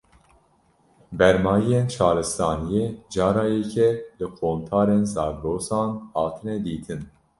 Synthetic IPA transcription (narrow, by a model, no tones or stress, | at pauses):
bɛɾmɑːjijent͡ʃʰɑːɾɨst̪ɑːnijeːd͡ʒɑːɾɑːjɛcʰɛlɨqʰoːmt̪ʰɑːɾeːnzɑːɡloːsɑːnhɑːt̪ʰɨnɛd̪iːt̪ʰɨn